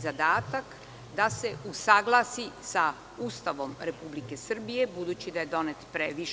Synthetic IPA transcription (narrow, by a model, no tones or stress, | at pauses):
zad̪aːt̪ak | d̪ase̞usaɡlˠaːsisa | ust̪aʋo̞mɾe̞publike̞sr̩bije̞bud̪uːt͡ɕid̪aje̞d̪o̞net̪pɾeʋiʃ